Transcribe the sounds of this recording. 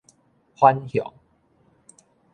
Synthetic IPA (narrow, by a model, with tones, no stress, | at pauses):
hwa˦nhjɔ̰˨˩˦ŋ